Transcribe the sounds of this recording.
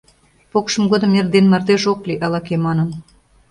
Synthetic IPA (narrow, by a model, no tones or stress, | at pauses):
pokʃɤ̆mɡod̪ɤ̆merd̪enmɑrd̪eʒokliʔɑlɑkemɑnɤn